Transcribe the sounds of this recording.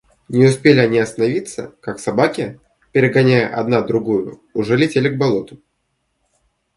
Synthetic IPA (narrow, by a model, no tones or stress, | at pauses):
nʲɪʊspʲelʲɪɐnʲiɐst̪ənɐvʲit̪sːə̰kaksɐbakʲɪ | pʲɪɾʲɪɡɐnʲæjəʔɐ̰d̪nad̪ɾʊɡujʊ | ʊʐɛlʲɪtʲelʲɪɡ̚bɐlˠo̞t̪ʊ̥